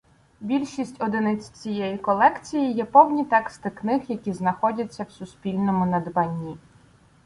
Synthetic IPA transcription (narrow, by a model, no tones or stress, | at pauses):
bʲilʲʃisʲtʲɔd̪ɪnɪt͡sʲt͡sʲijɛjikɔlˠɛkt͡sʲijijɛpɔwnʲit̪ɛkst̪ɪknɪɦjɐkʲiznɐxɔdʲɐt͡sʲːɐwsʊspʲilʲnɔmʊnɐd̪bɐnʲːi